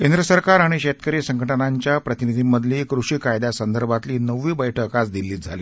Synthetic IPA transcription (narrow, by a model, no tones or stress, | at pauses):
kend̪ɾəsəɾkaɾaɽ̃iɕet̪kəɾiːsəŋɡʱəʈənaɲt͡ɕjapɾət̪inid̪ʱimːəd̪ʱliːkɾuʂiːkajd̪asənd̪əɾbʱat̪liːnəʋːiːbəjʈʰəkat͡sd̪ilːiːt̪̚d͡zʱa̰liː